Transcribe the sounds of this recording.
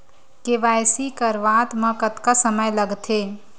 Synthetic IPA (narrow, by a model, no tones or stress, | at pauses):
keʋajsikəɾʋat̪məkət̪kasəməjləɡt̪ʰe